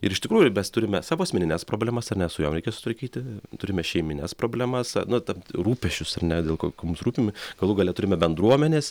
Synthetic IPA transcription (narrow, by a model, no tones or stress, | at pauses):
ɪɾɪʃt̪ʲɪkɾuːjʊmʲɛst̪ʊɾʲɪmʲɛsɑːʋoːɐsʲmʲɛnʲɪnʲɛspɾoːbʲlʲɛmɐsɐrnʲɛsʊjoːmɾʲɛɪkʲɛsʊt̪ʋɐɾkʲiːt̪ʲɪt̪ʊɾʲɪmʲɛʃʲɛɪmʲɪnʲɛspɾoːbʲlʲɛmɐsnʊt̪ɐmruːpʲɛʃʲt͡ʃʲʊsɐrnʲɛd̪ʲeːlˠkokʲmʊmsɾuːpʲɪmʲɡ̥ɐlˠʊɡɐlʲɛt̪ʊɾʲɪmʲɛbʲɛnd̪ɾuɔmʲɛnʲeːs